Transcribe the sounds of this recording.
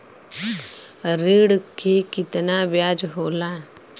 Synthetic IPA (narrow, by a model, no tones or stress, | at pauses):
ɾeːɽkʰekɪt̪nabjaːd͡ʒɦoːla